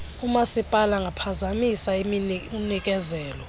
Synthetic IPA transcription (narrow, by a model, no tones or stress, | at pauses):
umasipʼalaŋɡʱapʰazamisaimiunik̬ʼɛzɛːlɔ